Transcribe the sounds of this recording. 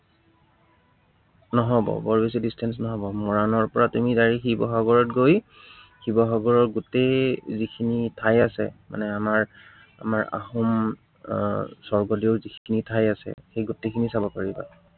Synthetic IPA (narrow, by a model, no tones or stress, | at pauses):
nɔɦɔbɔ̰bɔɹbes̬idistʰɛns̬nɔɦɔbɔmɔɹanɔɹpɔɹatumidaɹixibɔxaɡɔɹɔtɡoj | xibɔxaɡɔɹɔɹɡutezikʰinitʰajasɛ̰ma̰nɛamaɹ | a̰maɹa̰xum | sɔɹɡɔdiʊzikʰikʰinitʰajasɛ̰xejɡutekʰinisabɔkaɹiba̰